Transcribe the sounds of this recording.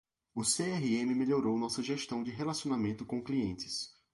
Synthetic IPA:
ʊseɛɦiẽmɪmeʎoɾownɔsɐʒeʃt̪ɐ̃w̃d͡ʒɪɦelasiõnamẽnt̪ʊkõkliẽnt͡ʃɪ̥s

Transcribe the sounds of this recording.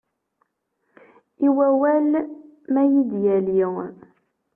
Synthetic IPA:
iwæwælmæjid̪jæli

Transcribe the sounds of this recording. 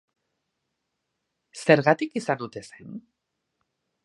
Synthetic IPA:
se̞ɾɣat̪ikisand̪ut̪e̞sen

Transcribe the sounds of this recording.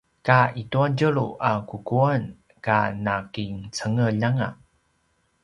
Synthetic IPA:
kaituaɟəɭuʔakukuan | kanakiŋt͡səŋəʎaŋa

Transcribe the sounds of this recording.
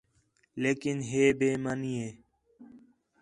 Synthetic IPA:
leːkɪnɦeːbeːmanieː

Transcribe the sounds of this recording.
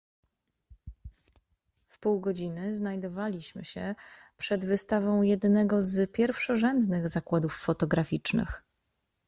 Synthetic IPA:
fpuwɡɔd͡ʑinɘznajd̪ɔvalʲiɕmɘ̰ɕɛpʂɛd̪vɘst̪avɔ̃w̃jɛd̪nɛɡɔzpʲjɛɾfʂɔʐɛnd̪nɘɣzakwad̪ufːɔt̪ɔɡɾafʲit͡ʂnɘ̰x

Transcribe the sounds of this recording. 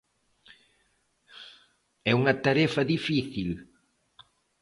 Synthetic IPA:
ɛuŋɐt̪aɾɛfɐðifiθil

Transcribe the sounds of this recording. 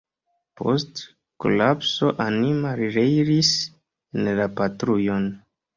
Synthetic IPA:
pʰo̞̰st | ko̰lapso̞ʔanimaɾɾejɾis | enlapatɾujon

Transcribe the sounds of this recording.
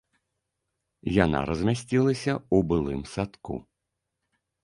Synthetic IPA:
jana̰ɾɐzʲmʲasʲt͡sʲilˠɐsʲɐubɨlˠɨmsat̪kṵ

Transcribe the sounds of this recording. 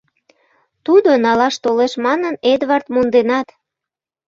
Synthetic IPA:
t̪ud̪onɑlɑʃt̪oleʃmɑnəned̪βɑrt̪mond̪enɑt̪

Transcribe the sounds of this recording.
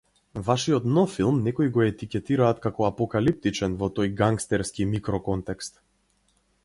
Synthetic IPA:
vaʃiɔt̪nɔfilˠmnɛkɔiɡɔɛt̪ikʲɛt̪iɾaːt̪kakɔapɔkalip̚t̪it͡ʃɛnvɔt̪ɔjɡaŋkst̪ɛɾskimikɾɔkɔnt̪ɛkst̪

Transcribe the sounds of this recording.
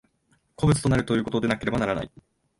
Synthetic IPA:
kʰo̞bɯ̟t͡sɨ̥t̪o̞naɾɯ̟t̪o̞jɯ̟ːko̞t̪o̞d̪e̞nake̞ɾe̞banaɾana̰i

